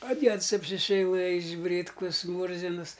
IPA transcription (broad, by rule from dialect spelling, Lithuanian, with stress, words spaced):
ɐ ˈdʲiɛts ɐpʲsʲɪsʲɛɪˈlˠɘjɪs ˈbʲrʲiːtkʊs ˈmuːrʲzʲɪns